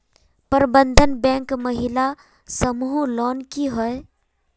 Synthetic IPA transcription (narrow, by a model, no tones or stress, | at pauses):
pəɾbənd̪ʱənbɛ̃ːŋkməɦɪla | səmuɦulɔːnkiɦɔe